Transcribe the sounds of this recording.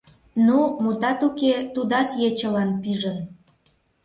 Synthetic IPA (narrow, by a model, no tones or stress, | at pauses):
numut̪ɑt̪uket̪ud̪ɑt̪jet͡ɕəlɑnpiʒən